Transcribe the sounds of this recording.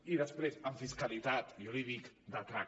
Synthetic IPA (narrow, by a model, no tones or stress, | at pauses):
iðəspɾezaɱfiskalit̪at̪joliðikd̪at̪ɾa